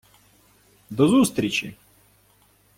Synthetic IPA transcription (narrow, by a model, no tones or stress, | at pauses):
d̪ɔzust̪ɾʲɪt͡ɕḭ